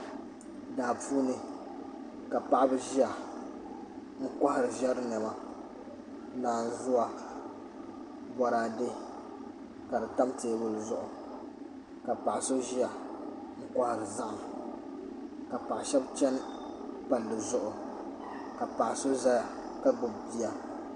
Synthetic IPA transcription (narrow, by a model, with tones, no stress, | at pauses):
daː˨pʰuː˦nɨ˨ | ka˨pa˨˦ʔbɨ˦ʒi˦a˨ | ŋ̩˦ka˦ha˨ɾɨ˨ʒɛ˦ɾɨ˦nɛ˨ma˨ | naː˨n˨˦zʊ˦a˨ | bɔ˨ɾaː˨de˦ | ka˨dɨ˨ta˦mteː˨wʊ˨lzʊ˦ʔʊ˨ | ka˨pa˨ʔso˦ʒi˦a˨ | ŋ̩˦ka˦hɾɨ˨za˦ʔ | ka˨pa˨ʔʃɛ˦bt͡ʃɛ˦n˦pa˨ldɨ˨zʊ˦ʔʊ˨ | ka˨pa˨ʔso˦za˦ja˨ | ka˦ɡ͡bʊ˨bbi˦a˨